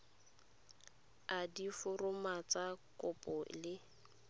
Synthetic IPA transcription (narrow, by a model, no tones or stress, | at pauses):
adifʊrʊmat͡sakʊpɔlɪ